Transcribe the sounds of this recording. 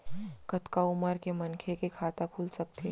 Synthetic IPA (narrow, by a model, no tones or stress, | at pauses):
kɐt̪kaʊməɾkemɐnkʰekekʰaːt̪akʰuːlsɐk̚t̪ʰe